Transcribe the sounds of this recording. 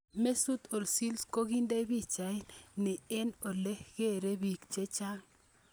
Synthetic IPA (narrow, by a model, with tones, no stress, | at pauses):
me˦su˦t̪o˨lsi˦lsko˦ɣi˦nde˦bi˦t͡ʃa˨ɪ˦nnɪ˨ɛ˦nɔ˨lɛ˦ɣ̥e˦˨ɾe˦bi˨kt͡ʃe˦t͡ʃa˦ŋ